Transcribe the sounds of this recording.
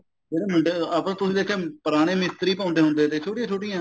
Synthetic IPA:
d͡ʒeːɾeːmʊɳɖeaːpːt̪ʊsĩːd̪eːkʰeːpəɾaːɽ̃eːmɪst̪ɾiːpãːʊnd̪eːɦʊ̃nd̪eːt̪eːt͡ʃʰoːʈijãːt͡ʃʰoːʈijãː

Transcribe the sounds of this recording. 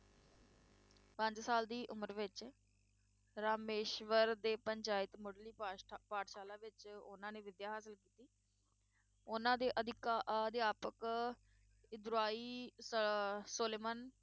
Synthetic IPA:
pə̃ɲd͡ʒsaːld̪iːʔʊməɾʋɪt͡ʃ | ɾaːmeːʃʋəɾd̪eːpəɲt͡ʃaːɪt̪mʊɽliːpaːʈʃaːlãːʋɪt͡ʃʊ̰nãːneːʋɪd̪jaːɦaːs̬əlkiːt̪iː | ʊnãːd̪eːʔəd̪ɪkːd̪eːaːpək | ɪd̪ɾaːiː | soːleːmən

